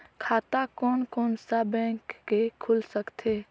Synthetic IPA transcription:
kʰaːt̪akɔːnkɔːnsabɛ̃ːkːekʰʊlsəkt̪ʰeː

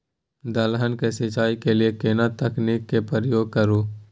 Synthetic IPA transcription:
d̪əlɦənkesɪt͡ʃaːikeliekeːnat̪əkniːkːepəɾəjoːɡ̚kəɾoː

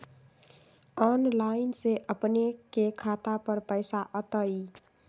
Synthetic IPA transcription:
ɔnlaɪnseʔəpnekekʰat̪apəɾpəjsaʔət̪əi

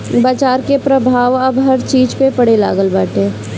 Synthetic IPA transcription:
bət͡ʃaːɾkepɾəbʱaːʋəbɦɐɾt͡ʃiːd͡ʒpepəɽela̰ːɡəlbaːʈẽː

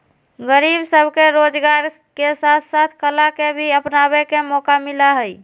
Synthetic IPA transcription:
ɡəɾibsəbʱkeɾod͡ʒɡaɾ | kesat̪ʰsat̪ʰkəlakebʱiəpnabekemɔkamilaɦəj

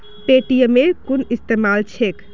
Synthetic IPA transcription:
peʈijəmekunist̪emalt͡ʃʰek

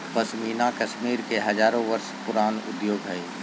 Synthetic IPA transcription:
pəsmiːnakəʃmiːɾkeɦɐd͡ʒaːɾõʋəɾʃpʊɾaːnʊ̰d̪joːɡɦɛe

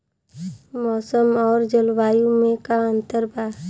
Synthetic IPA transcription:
mɔːsəmɔːɾd͡ʒəlwaːjũmẽkaə̃nt̪əɾbaː

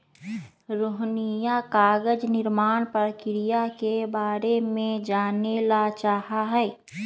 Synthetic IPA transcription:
ɾoːɦnijakaːɡəd͡ʒnɪɾmaːnpəɾkɪɾijakebaːɾemẽd͡ʒaːnelat͡ʃaːɦaɦɛː

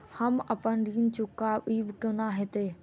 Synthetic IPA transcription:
hɐmɐpənɾiːnt͡ɕʊkːaːɓiːbɪkiõnaːɦet̪eː

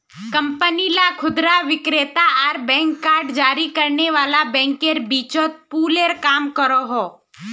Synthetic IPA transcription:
kə̃mpənilakʰʊd̪ɾaʋɪkɾeːt̪aəɾbɛ̃ːŋkːaːɾɖd͡ʒaːɾikəɾneʋaːlabɛ̃ːŋkeɾbiːt͡ʃot̪̚puːleɾkaːmkəɾoɦoː

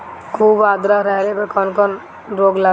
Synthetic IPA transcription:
kʰuːbaːd̪ɾaɾɛɦɾebəkɔnkɔn | ɾoːɡla

